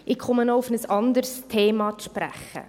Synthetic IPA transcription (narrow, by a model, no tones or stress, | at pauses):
ʔɪkʰχʊmənɔʊfnəsɑnd̪əɾstʰeːmɑʃpɾæ̰χːə̰